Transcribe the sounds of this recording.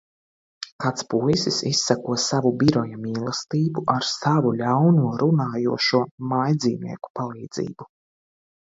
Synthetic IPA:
kat̪spujsisisːakuɔsavubiɾɔjamiːlˠɐst̪iːbuʔaɾsavulʲawnuɔɾunaːjuɔʃuɔmajd̪ziːnḭɛku̥palˠiːd̪z̥ḭːbu

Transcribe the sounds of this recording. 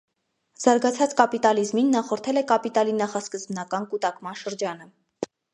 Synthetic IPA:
z̥ɑɾɡɑt͡sʰɑt͡skɑpit̪ɑlizminːɑχɔɾt̪ʰɛlɛkɑpit̪ɑlinɑχɑskəzbnɑkɑnkut̪ɑkmɑnʃəɾd͡ʒɑnə

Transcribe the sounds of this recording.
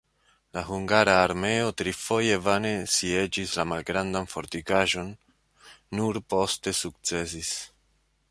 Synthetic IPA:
laɦuŋɡaɾaːɾme̞o̞tɾifo̞je̞vane̞sie̞d͡ʒislamalɡɾandanfo̞ɾtikaʒo̞nː | uɾpo̞ste̞suk̚t͡se̞s̬is

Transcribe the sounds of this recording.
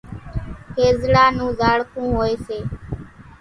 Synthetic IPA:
kʰeːzɽaːnũːzaːɽkũːɦoːeːseː

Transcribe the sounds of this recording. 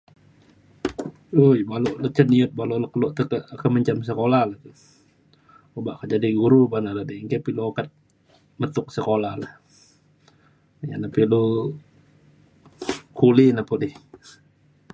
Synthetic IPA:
ujbaloʔlət͡ʃəniʊt̪̚baloləkəloʔt̪əkəkəməɲt͡ʃams̬əkolahlaht̪u | ubaʔkəd͡ʒadiɡuɾubanaladiŋkepiluokat̪̚ | mət̪ʊk̚səkolahlah | ja̰napilu | kulinapodih

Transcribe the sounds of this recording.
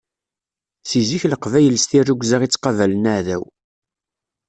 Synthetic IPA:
t͡siziçləqvæjəlst̪irːuɡʷzaʁit͡sːqɑvælənaʕðæw

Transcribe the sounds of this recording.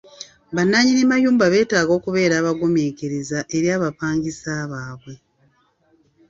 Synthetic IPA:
βanːaɲinimajuːmbaβe̞ːtaːɡo̞ːkuβe̞ːɾaːβaɡomeːkeɾezaʔe̞ɾjaːβapaːŋɟisaːβaːβwe̞

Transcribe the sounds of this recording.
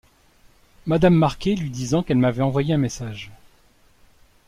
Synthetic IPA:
mad̪amːaʁkʲelɥid̪izɑ̃kɛlmavɛɑ̃vwajeɛ̃mesaʒ

